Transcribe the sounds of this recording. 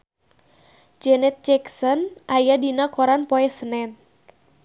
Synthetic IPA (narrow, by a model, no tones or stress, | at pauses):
d͡ʒɛnɛt̪̚t͡ʃɛksɔnʔajadinakɔɾanpɔɛsənɛn̚